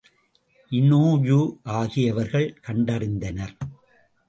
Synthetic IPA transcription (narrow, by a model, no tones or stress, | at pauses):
ʔɪnoːjuːʔaːɣɪjɐʋɐɾɣɐɭkɐɳɖɐrɪnd̪ɐnɐɾ